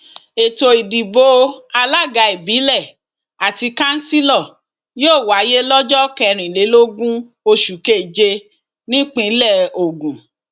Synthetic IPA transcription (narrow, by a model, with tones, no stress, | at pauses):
e˨to˨i˨di˨bo˨˦a˧la˦˨ɡa˧e˨bi˨˦lɛ˦˨ | a˨ti˧kã˦n̩˦si˦lɔ˦˨ | joː˦˨wa˨˦je˦lɔ˦d͡ʒɔ˦kɛ˧ɾ̃ĩ˨le˨˦lo˦ɡũ˦ | o˧ʃu˨ke˦˨d͡ʒe˧ | nĩ˦k͡pĩ˧˦lɛ˦˨o˨ɡũ˨